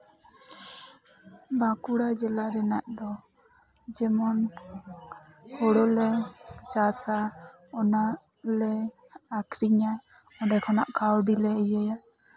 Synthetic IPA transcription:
bakuɽad͡ʒɛlaɾɛnaʔd̪ɔ | d͡ʒɛmɔn | hɔɽɔlɛt͡ʃasa | ɔna | lɛː | kʰɾiɲa | ɔɖɛkʰɔna̰ʔkawɖilɛəjəja

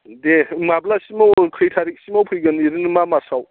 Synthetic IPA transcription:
demablasimawkʰɾijtʰaɾik̚simawpʰɯjɡɐniɾinmamasaw

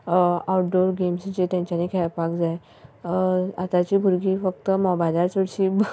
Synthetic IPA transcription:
awʈɖoɾɡemsd͡ʑet̪jãɲt͡ɕjanẽkʰajpakd͡zaj | at̪at͡ɕiːbʱuɾɡiːfək̚t̪əmɔbajd̪aɾt͡soɽɕiː

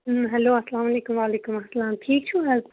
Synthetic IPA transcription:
ɦɛloːɐsɐlaːmɐleːkʊmʋaːleːkʊmɐslaːmʈʰiːk̚t͡ʃʰuɦɛl

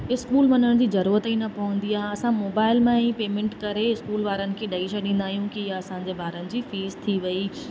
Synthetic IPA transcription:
ɪskuːlʋɐnəɽ̃d͡ʑiːzɐɾuːɾət̪inɐpɐʋə̃n̆d̪iaːɦɐsãmoːbaːɪlmãĩpeːmẽːɳʈkɐɾeɪskuːlʋaːɾənɪ̆kʰeːɗɐiʃaɗĩːnd̪aːɦijũkiɪjaɐsãɲd͡ʑeːbaːɾənɪ̆d͡ʑiːfiːzt̪ʰiʋɐi

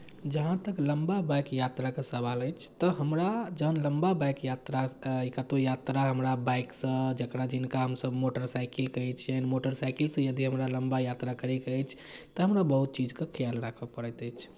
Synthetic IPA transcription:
d͡ʒəɦãt̪əkləmbabajkjat̪ɾakesəbaləjt͡ʃʰt̪ɔɦəmɾad͡ʒəɦənləmbabajkjat̪ɾaikat̪ojat̪ɾaɦəmɾabajksə̃d͡ʒəkɾad͡ʒinkaɦəmsəbmoʈəɾsajkilkət͡ʃʰjanmoʈəɾsajkilsə̃jəd̪iɦəmɾaləmbajat̪ɾakəɾɛkəjt͡ʃʰ | t̪ɔɦəmɾabəɦut̪̚t͡ʃid͡ʒkekʰəjalɾakʰəpəɾɛt̪əjt͡ʃʰ

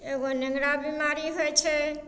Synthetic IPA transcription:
eɡonẽŋɡɽabimaɾiɦojt͡ʃʰɛ

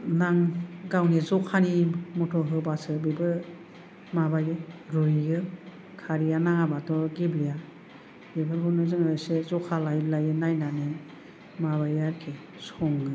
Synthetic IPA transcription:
naŋɡawnezɔkʰanimɔtʰɔɦɯbasɯbibɯ | mabajɯɾujɡɯ | kʰaɾijanaŋabatɔɡibɾija | bibɯɾɡɔnɯzɯŋɯsezɔkʰalajlajɯnajnanɯ | maβajaɾkʰe | sɔŋɡɯ

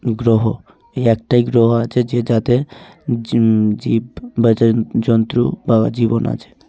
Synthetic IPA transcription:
ɡɾoɦo | eɛk̚ʈajɡɾoɦoat͡ʃʰed͡ʒed͡ʒat̪e | d͡ʒibbəd͡ʒad͡ʒɔnt̪ɾubad͡ʒibona̰t͡ʃʰe̥

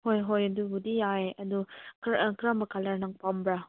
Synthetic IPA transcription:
hojɦojɐdubudijajɐdukɾkɾamɐkalɐɾnɐŋpambɾa

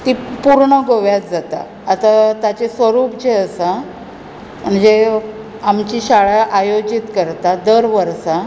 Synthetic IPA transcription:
t̪ipuɾɳəɡoʋjat̪d͡zat̪a̰ː | t̪at̪at͡ɕesʋəɾuːpd͡ʑeəsa | məɳd͡ʑe | amt͡ɕiɕaɭaʔajod͡ʑit̪kəɾt̪ad̪əɾʋəɾsa

